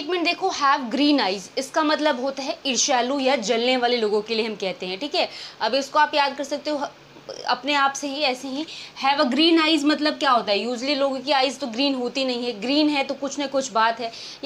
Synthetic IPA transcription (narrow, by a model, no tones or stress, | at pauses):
kmẽɳʈd̪eːkʰohɛːʋɡɾiːnaːɪzɪskamɐt̪ləbɦoːt̪aɦɛɪɾʃaːlujad͡ʒɐlneʋaːleloːɡõkelieɦɐmkɛɦt̪eɦɛ̃ʈʰiːkɦɛɐbiʊskoaːpjaːd̪̚kɐɾsɐk̚t̪eɦõ | ɐ̰pneaːpseɦiɛːseɦĩhɛːʋəɡɾiːnaːɪzmɐt̪ləb̚kjaːɦoːt̪aɦɛjuːd͡ʒliloːɡõkiaːɪzt̪oɡɾiːnɦoːt̪inɐɦĩɦɛɡɾiːnɦɛt̪okʊt͡ʃʰnɐkʊt͡ʃʰbaːt̪ɦɛː | j